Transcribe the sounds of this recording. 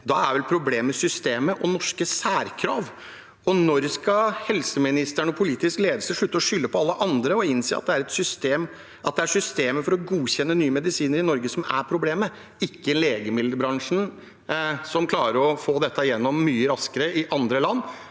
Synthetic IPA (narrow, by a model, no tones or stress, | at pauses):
d̪ɑːæɾʋɛlpʰɾʊbleːməsʏst̪eːməʔɔnɔʂkəsæːɾkʰɾɑːʋ | ɔnɔɾskɑhɛlsəmɪnɪst̪æɳɔpʰʊliːt̪ɪskleːd̪əlsəʂɭʉːt̪ːəɔʂʏlːəpʰɔɑlːəʔɑnd̪ɾəɔɪnseːɑ̰t̪̚d̪ɛæɾɛt̪sʏst̪eːm | ʔɑt̪̚d̪ɛæʂʏst̪eːməfɔɾɔɡuːçɛnːənyːəmɛd̪ɪsiːnəɾɪnɔɾɡəsɔmæ̰pʰɾʊbleːmə | ɪkːəɛnleːɡəmɪld̪əɾbɾɑŋʂn̩ | sɔmkʰlɑːɾəɾɔfoːd̪ɛt̪ʰːɑjɛnːɔmːyːəɾɑskəɾəɪʔɑnd̪ɾəlɑnː